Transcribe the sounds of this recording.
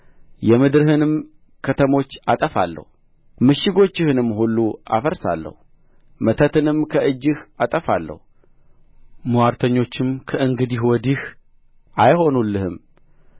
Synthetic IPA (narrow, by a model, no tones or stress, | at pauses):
jɛmɨd̪ɾɨhɨnɨm | kʰət̪ʰəmo̞t͡ʃːat̪ʼəfa̰lːə̰hu | mɨʃɪɡo̞t͡ʃːɪhɨnɨmːhulːuʔa̰fəɾsa̰lːə̰hu | mət̪ʰət̪ʰɨnɨmkʰəʔɨd͡ʒːɪhat̪ʼəfalːə̰hu | muwaɾt̪ʰəɲːo̞t͡ʃːɪmkʰəʔɨŋɡɨd̪ihwɔd̪ih | ʔajho̞nulːɨhɨm